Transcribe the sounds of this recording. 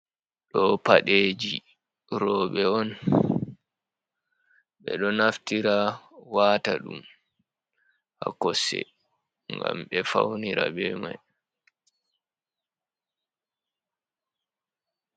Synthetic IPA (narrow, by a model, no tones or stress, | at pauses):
ɗɔpaɗed͡ʒi | ɾɔɓɛɔn | ɓɛɗɔnaftiɾawaːtaɗum | ʔakɔsɛ̰ | ŋɡamɓɛfawniɾabɛːmaj